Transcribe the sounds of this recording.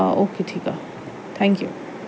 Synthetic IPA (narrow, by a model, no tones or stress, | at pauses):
oːkeʈʰika̰ | t̪ʰãŋkjṵ